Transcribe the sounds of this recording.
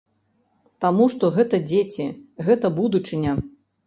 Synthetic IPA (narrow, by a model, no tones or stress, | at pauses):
t̪amuʂt̪ɔɣɛt̪ɐd͡zʲet͡sʲiɣɛt̪ɐbud̪ut͡ʂɨnʲɐ